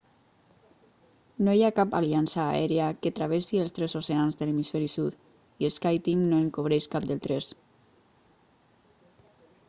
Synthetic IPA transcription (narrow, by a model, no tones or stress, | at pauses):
nojakapa̰liansa̰ːɛɾeaket̪ɾaβ̞esiəlˠst̪ɾezoseanzðəlemisfɛɾisut̪ | ielskajt̪iŋnoeŋkoβ̞ɾeʃkap̚d̪elt̪ɾes